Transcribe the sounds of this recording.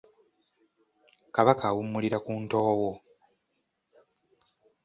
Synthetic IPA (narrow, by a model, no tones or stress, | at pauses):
kaβakawumːuliɾakuːnto̞ːwo